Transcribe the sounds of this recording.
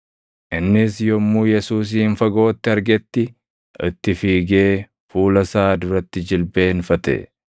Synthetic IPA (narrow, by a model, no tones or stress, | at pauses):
ʔɪnːɪsjɔmːuːjɛsuːs̬iːnfɐɡo̞ːt̪ːɪɐɾɡɛt̪ːɪ | ʔɪ̰t̪ːɪfiːɡe̞ː | fuːlɐsaːd̪ʊɾɐt̪ːɪd͡ʒɪlbeːnfɐt̪ɛ̰